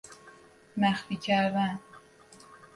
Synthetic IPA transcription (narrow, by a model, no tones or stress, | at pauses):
mæxficʰæɾd̪æn